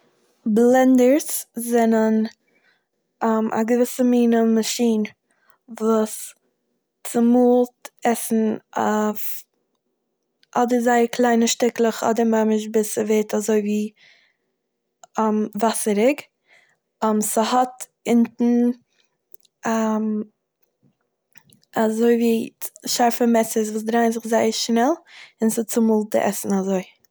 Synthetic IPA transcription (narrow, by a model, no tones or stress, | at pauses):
blˠɛndəɾszɛnən | amʔa̰ɡəvɪsəmiːnəmaʃiːn | vuːs | t͡sɪmuːlˠtɛsn̩af | ʔɔdəɾzaɪkʰlˠaɪnəʃtɪklˠəχɔ̰dəɾmamɪʃ̬bɪsəveːtʰazoɪviː | amvasəɾɪɡ | amsəhɔt | ɪntn̩ | am | azoɪviːʃaɾfəmɛsəs̬vuːs̬dɾaɪnzɪχzaɪəɾʃnɛlˠɪnsɪt͡sɪmuːlˠt̚dɪ̰ʔɛ̰sn̩azoɪ